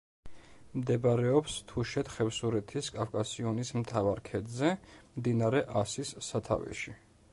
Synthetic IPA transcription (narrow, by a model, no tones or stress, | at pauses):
md̪ɛbɾɛɔpst̪ʰuʃɛt̪χɛfsuɾɛt̪ʰiskʼafkʼasiɔnismt̪ʰavaɾkʰɛd̪zɛmd̪inaɾɛʔasisːat̪ʰa̰vɛ̰ʃi